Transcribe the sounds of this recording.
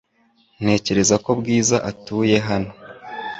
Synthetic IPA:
n̥e̞ːce̞ɾe̞zako̞bɡiːzaʔatuːje̞ɦano̞

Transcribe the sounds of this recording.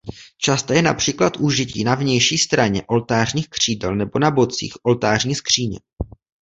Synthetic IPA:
t͡ʃast̪ajɛnapr̝̥iːklat̪ʔuʒɪciːnavɲɛjʃiːst̪ɾaɲɛʔo̞lt̪aːrɲiːxkr̝̥iːdɛlnɛbo̞nabo̞t͡sḭːxʔo̞lt̪aːrɲiːskr̝̥iːɲɛ̰

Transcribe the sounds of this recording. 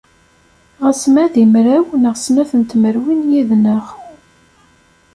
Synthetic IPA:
ʁæsmæðimɾæwnəʁsnæθənt̪məɾwinjiðnəʁ

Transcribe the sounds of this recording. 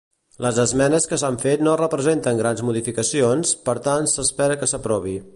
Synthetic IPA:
ləzəzmɛnəskəsaɱfet̪norəpɾəzent̪əŋɡɾanzmuðifikəsionspəɾt̪ansəspɛɾəkəsəpɾɔβ̞i

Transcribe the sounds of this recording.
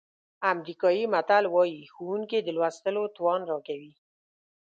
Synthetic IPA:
amɾikɑjimat̪alwɑjixowuŋked̪əlwast̪əlot̪wɑnɾɑkawi

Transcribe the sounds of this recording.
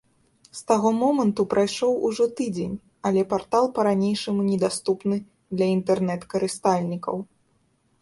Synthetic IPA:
st̪aɣɔmɔmɐnt̪upɾʔajʂɔwuʐɔt̪ɨd͡zʲenʲ | ɐlʲɛpart̪alˠpɐɾanʲejʂɐmunʲɛd̪ast̪upnɨ | d̪lʲɐint̪ɛrnɛt̪kɐɾɨst̪alʲnʲikɐw

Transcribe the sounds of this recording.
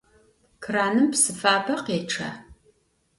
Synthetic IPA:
kʰraːnɨmpsɨfaːpʰɐqeːʈ͡ʂʰa̰ː

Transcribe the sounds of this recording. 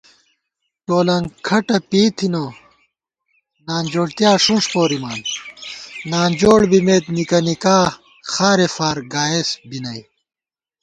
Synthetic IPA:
ʈoːlɐŋkʰɐʈɐpiːt̪ʰino | naːnd͡ʑoːɽt̪ijaːʂũnʂpoːɾimaːn | naːnd͡ʑoːɽbimeːt̪nikɐnikaː | xaːɾefaːɾɡaːesbinɐj

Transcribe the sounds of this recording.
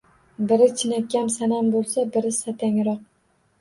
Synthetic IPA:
bɪɾɪt͡ʃʰɪnakʲʰːamsanambolˠsabɪɾɪsat̪ʰaŋɾɒq̚

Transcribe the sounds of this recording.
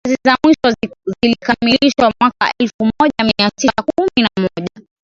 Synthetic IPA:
azizamwiʃɔzilikamiliʃwamwakaʔɛlfumɔʄamiatisakuminamɔʄa

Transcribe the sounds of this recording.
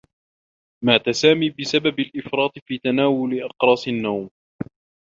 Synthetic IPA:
maːt̪asaːmiːbɪsababalʔɪfɾˤɑːt̪ˤfiːt̪anaːwʊlɪʔɑqɾˤɑːsˤɪnːawm

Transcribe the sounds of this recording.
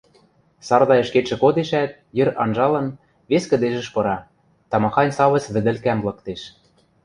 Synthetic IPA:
sɑrd̪ɑɤ̆ʃkeʃɘ̆kod̪eʃæt̪̚ | jɘ̆ɾɑ̰nʒɑlɤ̆n | βeskɘ̆d̪eʒɘ̆ʃpɤ̆ɾɑ | t̪ɑmɑxɑnʲsɑβɤ̆t͡sβɘ̆d̪ɘ̆lkæmlˠɤ̆kt̪eʃ

